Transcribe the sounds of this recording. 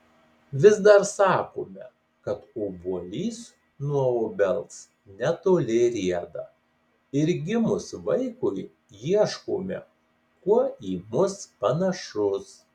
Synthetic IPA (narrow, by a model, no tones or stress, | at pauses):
ʋʲɪzd̪ɐɾsɑːkoːmʲɛ | kɐt̪oːbuɔlʲiːs | nuɔoːbʲɛlˠt̪s | nʲɛt̪oːlʲɪɾʲiɛd̪ɐ | ɪɾɡʲɪmʊsʋɐɪkʊɪ | jiɛʃkoːmʲɛ̰ | kuɔiːmʊspɐnɐʃʊs